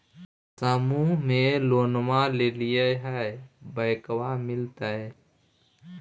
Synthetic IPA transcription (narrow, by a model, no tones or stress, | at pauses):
samũmẽloːnmalelijəɦɛebəɪkwamɪlt̪əɛ